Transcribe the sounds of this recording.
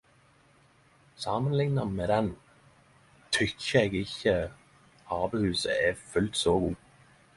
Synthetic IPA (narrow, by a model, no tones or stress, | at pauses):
sɑːmənlɪŋnɑnmeːd̪ɛn | t̪ʰʏkʰːəɛɡɪçə | hɑːbəhʉːsə̰ʔɛfʉlt̪soːɡuː